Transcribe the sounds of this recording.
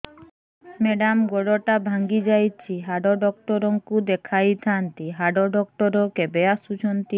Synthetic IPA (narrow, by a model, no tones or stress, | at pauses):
meɖamɡoɖoʈabʱaŋɡid͡ʑajt͡ɕʰiɦaɖoɖɔk̚ʈɔɾɔŋkud̪ekʰajt̪ʰant̪iɦaɖoɖɔkʈɔɾokebeasut͡ʃʰɔnt̪i